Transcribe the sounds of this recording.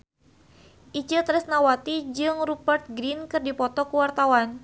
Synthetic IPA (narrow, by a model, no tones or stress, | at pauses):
ʔit͡ʃət̪ɾɛsnawat̪id͡ʒɨŋrupərt̪̚ɡɾinkɨrdipɔt̪ɔkuwart̪awan